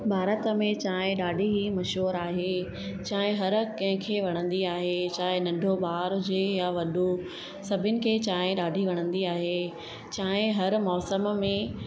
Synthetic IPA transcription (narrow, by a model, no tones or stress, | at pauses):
bʱaːɾət̪mẽt͡ɕaːɦɪ̃ɗaːɖʱiɦimɐʃɦuːɾaːɦeː | t͡ɕaːɦɪ̃ɦɐɾkɐ̃ɦɪ̃kʰeːʋɐɽ̃ə̃nd̪iaːɦet͡ɕaːɦɪ̃nɐ̃ɳɖʱoɓaːɾʊd͡ʑeːjaʋɐɗo | sɐbʱʊnɪ̆kʰeːt͡ɕaːɦɪ̃ɗaːɖʱiʋɐɽ̃ə̃nd̪iaːɦeː | t͡ɕaːɦɪ̃ɦɐɾmɔːsəmmẽ